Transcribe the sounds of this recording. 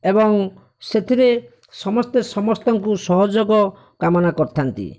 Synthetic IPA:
ebɔŋ | set̪ʰiɾe | sɔmɔst̪esɔmɔst̪ɔŋkusɔɦɔd͡ʒoɡɔ | kamɔnakɔɾt̪ʰant̪ḭ

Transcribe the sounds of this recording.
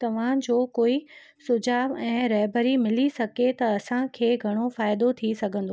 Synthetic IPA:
t̪ɐʋ̤ãd͡ʑoːkoːi | sʊd͡ʑaːbɛ̃ːɾɐɦbəɾimɪlisɐɡʱet̪ɐɐsãkʰeːɡʱɐɽ̃ofaːɪd̪ot̪ʰisɐɡʱə̃nd̪oː

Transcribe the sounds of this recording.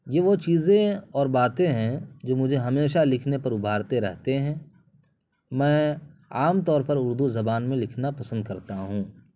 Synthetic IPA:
jeʋot͡ʃiːzẽɔːɾbaːt̪ẽɦɛ̃d͡ʒoːmʊd͡ʒʱeɦɐmeːʃalɪkʰnepɐɾʊbʱaːɾt̪eɾɛ̰ɦt̪eɦɛ̃ː | mɛ̃ːaːmt̪ɔːɾpɐɾʊɾd̪uzɐbaːnmẽlɪkʰnapɐsə̃nd̪kɐɾt̪aɦũː

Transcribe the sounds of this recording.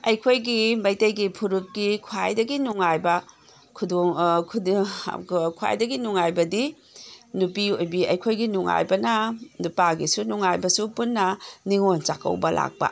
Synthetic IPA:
ɐjkʰojɡimɐjtɐjɡipʰuɾut̚ɡikʰuajdɐɡinuŋajbɐ | kʰudoŋkʰu | kʰua̰jdɐɡinuŋajbɐdi | nupiojbiɐjkʰojɡinuŋa̰jbɐnɐnupaɡisunuŋajbɐsupunːɐniŋont͡ʃakʰɐ̰wbɐlʔa̰k̚bɐ̰

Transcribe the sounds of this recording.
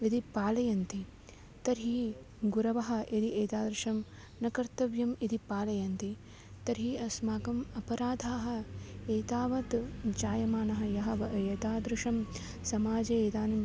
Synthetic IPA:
id̪ipaːlɐjɐnt̪i | t̪ɐɾɦi | ɡuɾɐʋɐɦɐ̆ʔid̪iʔeːt̪aːd̪ɾɪʃɐm | nɐkɐɾt̪ɐʋjɐmid̪ipaːlɐjɐnt̪i | t̪ɐɾɦiɐsmaːkɐmɐpɐɾaːd̪ʱaːɦɐ̆eːt̪aːʋɐt̪d͡ʒaːjɐmaːnɐɦɐ̆jɐɦɐʋɐʔeːt̪aːd̪ɾɪʃɐm | sɐmaːd͡ʒeːeːt̪aːnɐm

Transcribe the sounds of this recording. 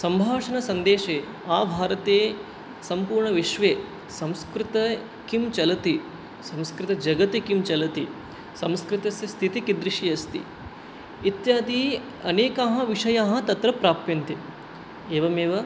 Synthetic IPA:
sɐmbʱaːʂɐnɐsɐnd̪eːʃeː | aːbʱaːɾɐt̪eː | sɐmpuːɾɳɐʋiʃʋeː | sɐ̃mskɾɪt̪ɐ | kimt͡ʃɐlɐt̪i | sɐ̃mskɾɪt̪ɐd͡ʒɐɡɐt̪ikimt͡ʃɐlɐt̪i | sɐ̃mskɾɪt̪ɐsjɐst̪ʰit̪ikid̪ɾɪʃijɐst̪ḭ | it̪jaːd̪i | ɐ̰neːkaːɦɐ̆ʋiʂɐjaːɦɐ̆t̪ɐt̪ɾɐpɾaːpjɐnt̪i | eːʋɐmeːʋɐ

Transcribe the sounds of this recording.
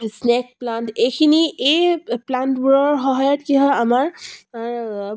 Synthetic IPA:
snek̚plantekʰiniʔeplantbuɹɔɹɦɔɦɔjɔtkiɦʌamaɹ

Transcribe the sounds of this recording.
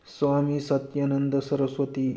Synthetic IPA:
sʋamiːsɐt̪janənd̪əsəɾəsʋət̪i

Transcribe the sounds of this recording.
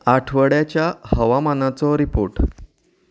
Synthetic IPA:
aʈʰʋəɽjat͡ɕjahəʋamanat͡sɔɾipoɾʈ

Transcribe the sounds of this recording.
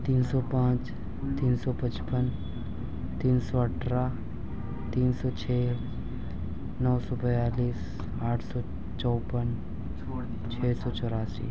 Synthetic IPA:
t̪iːnsɔːpãːt͡ʃ | t̪iːnsɔpət͡ʃpən | t̪iːnsɔəʈʰɾaː | t̪iːnsɔːt͡ʃʰeː | nɔːsɔpəjaːliːs | aːʈʰsɔː | t͡ʃɔːpən | t͡ʃʰɛːsɔːt͡ʃɔɾaːsḭː

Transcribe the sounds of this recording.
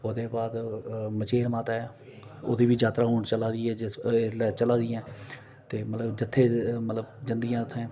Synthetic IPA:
ʊd̪eːbaːd̪mət͡ʃeːɾmaːt̪aːɛː | ʊ̰d̪iːbiːd͡ʒaːt̪ɾaːɦoːɳt͡ʃəlaːd̪iːɛːd͡ʒɪslɛːt͡ʃəlaːd̪ɪjɛ̃ː | t̪eːmət̪ləbd͡ʒɪt̪ʰːeːmət̪ləbzɪnd̪ɡɪjãːt̪ʰːẽː

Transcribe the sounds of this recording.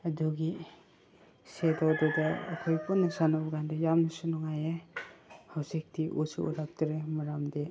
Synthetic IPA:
ɐduɡi | sedawdɔdɐːkʰɔjpɔnːɐsanabɔɡandɔjamnɐsunɔŋaje | hawsik̚tiʔusṵʔṵɾap̚tiɾemaɾamde

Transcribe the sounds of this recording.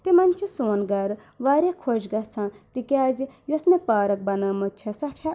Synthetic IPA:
t̪imɐnʲt͡ʃʰusoːnɡɐɾ | ʋaːɾʲjakʰod͡ʒɡɐt͡sʰãːt̪ikaːzijosmepaːɾɐk̚bɐnɐːmɐt͡ʃʰɐsɐʈʰa

